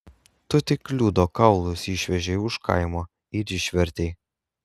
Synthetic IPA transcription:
t̪ʊt̪ʲɪklʲuːd̪oːkɐʊlˠʊsɪˑʃʲʋʲɛʒʲɛɪʊʃkɐ̰ɪmoː | iɾʲɪʃʲʋʲɛɾʲt̪ʲɛɪ

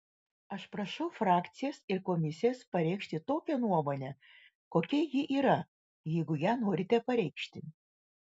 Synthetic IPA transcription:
ɐʃpɾɐʃɔʊfɾɑːkt̪sʲɪjɛsɪɾkomʲɪsʲɪjɛspɐɾʲɛɪkʃʲt̪ʲɪt̪oːkʲɛnuɔmoːnʲɛ | koːkʲɛjɪʔiːɾɐ | jɛɪɡʊjæːnoːɾʲɪt̪ʲɛpɐɾʲɛɪkʃʲt̪ʲɪ

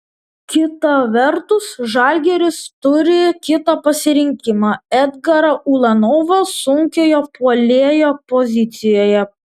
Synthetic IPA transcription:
kʲɪt̪ɐʋʲɛɾt̪ʊsʒɑˑlʲɡʲɛɾʲɪst̪ʊɾʲɪkʲɪt̪ɐpɐsʲɪɾʲɪŋʲkʲɪmɑːɛd̪ɡɐɾɐʔulˠɐnɔʋɐsʊŋʲkʲoːjopuɔlʲeɛjoːpɔzʲɪt̪sʲɪjoːjɛ

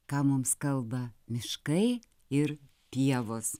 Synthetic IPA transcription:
kɑːmʊmskɐlˠbɐmʲɪʃkɐɪ | ɪɾ | t̪ʲiɛʋoːs

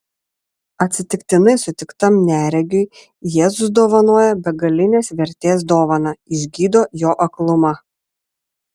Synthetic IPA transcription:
ɐt̪ʲsʲɪt̪ʲɪkt̪ʲɪnɐɪsʊt̪ʲɪkt̪ɐmnʲæːɾʲɛɡʲʊɪ | jeːzʊs̬d̪oːʋɐnoɔjɛbʲɛɡɐlʲɪnʲeːsʋʲɛɾʲt̪ʲeːsd̪oːʋɐnɐɪʒʲɡʲiːd̪oːjoːʔɐklˠʊmɐ

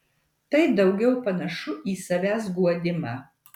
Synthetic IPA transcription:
t̪ɐɪd̪ɐʊɡʲɛʊpɐnɐʃʊʔiːsɐʋʲæːs̬ɡuɔd̪ʲɪmɑː

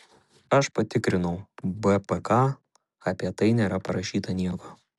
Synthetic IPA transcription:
ɐʃpɐt̪ʲɪkɾʲɪnɐʊbɛpɛkɑ | ɐpʲiɛt̪ɐɪnʲeːɾɐpɐɾɐʃʲiːt̪ɐnʲiɛko

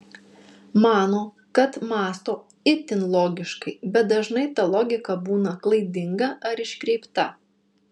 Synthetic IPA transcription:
mɑːnoː | kɐt̪mɑːst̪oː | ɪt̪ʲɪnlˠɔːɡʲɪʃkɐɪbʲɛt̪̚d̪ɐʒnɐɪt̪ɐlˠɔːɡʲɪkɐbuːnɐklˠɐɪd̪ʲɪŋɡɐʔɐɾɪʃʲkɾʲɛɪpt̪ɐ

